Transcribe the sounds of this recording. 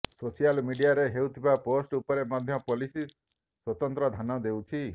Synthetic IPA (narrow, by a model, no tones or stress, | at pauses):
sosijalmiɖijaɾeɦeut̪ʰibaposʈupɔɾemad̪ʱjɔpolisi | swɔt̪ɔnt̪ɾɔd̪ʱanɔd̪ewt͡ʃʰi